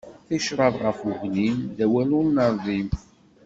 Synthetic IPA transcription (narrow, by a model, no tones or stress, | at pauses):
θiʃɾˤɑðʁəfʊɣnind̪æwælʊɾnəɾˤðˤim